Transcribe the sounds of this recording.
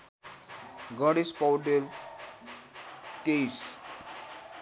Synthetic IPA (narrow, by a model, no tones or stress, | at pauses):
ɡəɽispawɖel | t̪eis